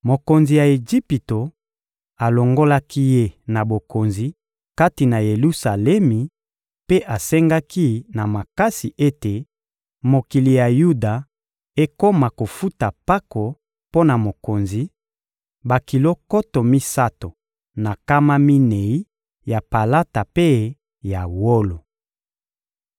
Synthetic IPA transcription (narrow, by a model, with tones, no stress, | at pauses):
mo˨ko˨nzi˨ja˨e˨d͡ʒi˦pi˨to˨ | a˨lo˨ŋɡo˦la˦ki˦je˦˨na˨bo˨ko˨nzi˨ | ka˦ti˨na˨je˨lu˦sa˨lɛ˦mi˨ | pe˦ʔa˨sɛ˦ŋɡa˦ki˦na˨ma˨ka˦si˨ʔe˦te˨ | mo˨ki˨li˨ja˨ju˦da˨ | e˦ko˦ma˨ko˨fu˦ta˨pa˦ko˨ | po˦na˨mo˨ko˨nzi˨ | ba˨ki˨lo˦ko˦to˨mi˦sa˦to˨ | na˨ka˦ma˦mi˦ne˨i˦ | ja˨pa˨la˦ta˨pe˦ | ja˨wo˦lo˨